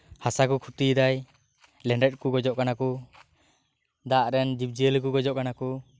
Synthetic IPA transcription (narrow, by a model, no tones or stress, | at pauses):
hasakukʰut̪id̪aj | lɛɳɖɛt̚kuɡɔd͡ʒɔʔkanaku | d̪aʔɾɛnd͡ʒip̚d͡ʒiəlk̬uɡɔd͡ʒɔʔkanaku